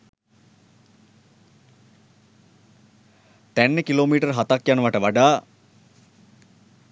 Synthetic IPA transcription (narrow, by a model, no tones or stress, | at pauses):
t̪ænːekiloːmiːʈərɦat̪akjanəʋaʈəʋaɖaː